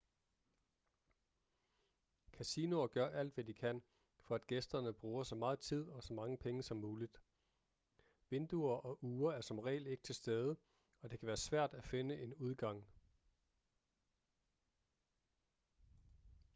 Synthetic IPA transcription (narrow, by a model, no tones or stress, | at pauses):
kʰæsiːno̝ɐɡ̥ɶɐʔæl̰d̥ʋæd̥ikʰæn̰ | fɒ̽æd̥ɡ̥esd̥ɐnəb̥ʁuːɐsɒ̽mɑ̈ːð̞̩ˠt͡sʰið̞̰ˠɒ̽sɒ̽mɑ̈ŋəpʰeŋəsɒ̽mːuːlid̥ | ʋe̝nd̥uɐʔɒ̽ʔuːɐæɐsɒ̽mʁɛ̰ːle̝ɡ̥ə̥t͡sʰe̝lsd̥eːð̞ˠə | ɒ̽d̥e̝kʰæʋæːɐsʋæɐ̰d̥æfe̝nəʔe̝nuð̞ˠɡ̥ɑ̈ŋ̰